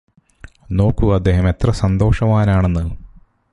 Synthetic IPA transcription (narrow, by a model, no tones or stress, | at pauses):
no̞ːkːuɐd̪ːe̞ːɦɐme̞t̪rɐsɐnd̪o̞ːʂɐmaːnaːɳe̞nːɨ